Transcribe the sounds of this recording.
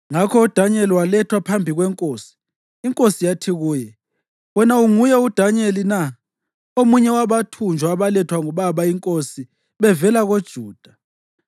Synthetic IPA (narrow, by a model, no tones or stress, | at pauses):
ŋakʰɔud̥ʱaɲɛliwalɛtʰwapʰambʱiɣwɛŋkʼoːsi̥ː | ŋkʼosijatʰiɣuːjɛ | wɔnauŋujɛud̥ʱaɲelina | omuɲɛwaβatʰund͡ʒʱwaːβalɛtʰwaŋɔβaβaiŋkʼosi | βɛvɛlaɣod̥ʒ̥ʱuːd̥ʱa